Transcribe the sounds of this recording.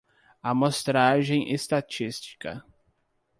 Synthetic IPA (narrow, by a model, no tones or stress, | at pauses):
amost̪ɾaʒẽj̃ʔest̪at͡ʃist͡ʃi̥kɐ̰